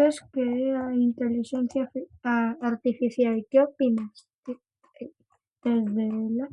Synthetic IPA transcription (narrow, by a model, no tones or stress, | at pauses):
eskeaint̪eliʃenθjaaːɾt̪ifiθjakjopinas | d̪̥ezðela